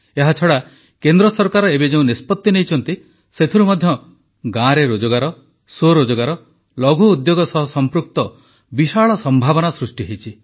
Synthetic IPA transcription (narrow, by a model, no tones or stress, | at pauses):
eɦat͡ʃʰɔɽa | kend̪ɾɔsɔɾkaɾɔebed͡ʒeũnespɔt̪ːinejt͡ʃʰɔnt̪i | set̪ʰiɾumɔd̪ʱjɔ | ɡãɾeɾod͡ʒɔɡaɾɔ | soɾod͡ʒɔɡaɾɔ | lɔɡʱuːd̪joɡɔsɔɦɔsɔmpɾuk̚t̪ɔ | biʃaɭɔsɔmbʱabɔnasɾusʈiɦejt͡ʃʰi